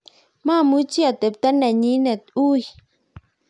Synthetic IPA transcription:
mã˦˨mu˦t͡ʃi˦a˨t̪e˨p̚t̪a˦nɛ̃˨ɲĩ˦nɛ̃˨t̪u˦j

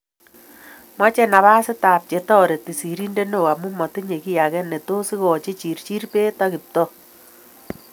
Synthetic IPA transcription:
mɔ˦t͡ʃɛ˦na˨βa˦sɪ˦taː˨p̚t͡ʃe˨tɔ˦˨ɾe˨ti˨si˨ɾi˦nde˦no˦˨a˨mu˦mɔ˨te˦ɲe˨ki˦ja˨kɛ˦ne˨to˦si˦kɔ˨t͡ʃe˦t͡ʃi˨ɾt͡ʃi˦rpe˦ta˦kɪ˨p̚tɔ˦

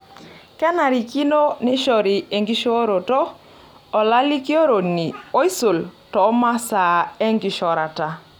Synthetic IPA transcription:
kɛ˦na˨ɾi˨ki˦no˦nɪ˦ʃɔ˨ɾi˨e˨ŋɡi˦ʃo˦ɾo˨tɔː˦˨ | la˦li˦ki˦o˦ɾo˨ni˨o˦i˦so˨ltɔ˨˦ma˦sa˨e˦ŋɡi˨ʃɔ˨ɾa˨ta˨

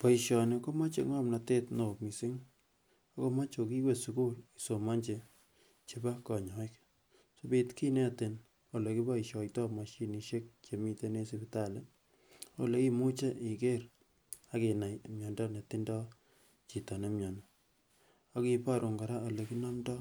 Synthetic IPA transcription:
pɔ˨i˨ʃɔ˨ne˨ko˦ma˦t͡ʃḛ˨ŋɔ˦mna˨te˦tno˨mi˨sɪ˦ŋ | o˦ko˦ma˦t͡ʃo˨ki˦we˦˨su˦ku˦li˨so˨ma˦ɲt͡ʃe˨ | t͡ʃi˦ba˦kɔ˨ɲɔ˨ɪ˦k | so˦bi˦tki˦ne˦tɪ˨n | o˨le˨ki˦ba˦iʃɔ˨jtɔ˦ma˨ʃi˦ni˨ʃe˦k̚t͡ʃe˨mi˦te˦ne˦si˨bi˨ta˦˨le˦ | o̰˦le˨˦ki˦mu˦t͡ʃe˦ʔi˨ke˦ɾ | a˨ke˨na˨ja˨mɲɔ˨ndɔ˦ne˨ti˦ndɔ˦ | t͡ʃi˨tɔ˨ne˦mɲɔ˨ni˨ | a˦kipa˦ɾo˨ŋɡa˨ɾa˦o˨le˨ki˦na˦mdɔ˦

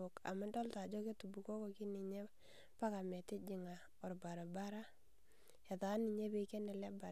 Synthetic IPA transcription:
ʊ˨ka̰˨ma˦dɔ˦lta˨d͡ʒɔ˦ke˦tu˨bu˨ko˦ko˨ki˦ni˨ɲe˦ | pa˦ka˨mɛ˨tɪ˦d͡ʒɪ˨ŋa˨ | ɔ˨ɾba˨ɾa˨ba˦ɾa˦ | ja˨taː˨˦ni˨ɲe˦be˦kɛ˦nɛ˨lɛ˦ba˨

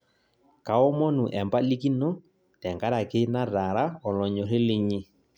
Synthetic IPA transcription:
ka˨ɔ˦mɔ˦nu˨ʔɛ˨mba˦li˦ki˦nɔ˦ | tɛ˨ŋɡa˦ɾa˨ke˦na˦ɾa˨ɾa˦ɔ˨lɔ˨ɲɔ˨ɾe˦le˦ɲi˦

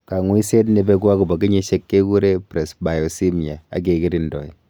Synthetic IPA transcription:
ka˨ŋwi˦se˦t̬ne˧be˧kwa˦ku˨bɔ˨ki˦ɲe˦ʃe˦kːe˦ku˦ɾe˦pɾɛ˨sba˨jɔ˨si˦mi˨a˨a̰˦k̬e˨ki˦ɾi˦ndɔ˨i˨

